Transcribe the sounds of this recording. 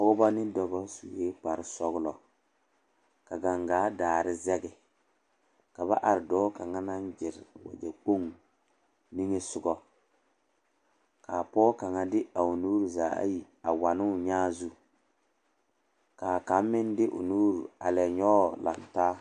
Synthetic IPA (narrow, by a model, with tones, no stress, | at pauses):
ɔ˦ɡʊ˦ba˦nɪ˦dɔ˨bɔ˦su˨jeː˦k͡pa˨ɾɪ˨sɔ˦ɣʊ˦lɔ˨ | ka˨ɡa˨ŋɡaː˨˦daː˨ɾɪ˦zɛ˦ɡɪ˦ | ka˨βa̰˦ʔa˨ɾɪ˨dɔː˦ka˨ŋa˦na˦n˦d͡ʒɪ˨ɾɪ˨wa̰˨d͡ʒɛ˨k͡po˦˨ŋ | ni˦ŋe˦sʊ˨ɡɔ˦ | ka˨pɔː˦ka˨ŋa˦dɪ˦a˨ʊ˨nuː˦ɾu˨zaː˨a̰˦ji˨ | a˨wa˨nɪ˦ʊ˨ɲaː˦zu˦ | ka˨ka˨˦mː˦ɪ˦ndɪ˦ʔʊ̰˨nuː˦ɾu˨a̰˨lɛ˨ɲɔ˦la̰˨ntaː˦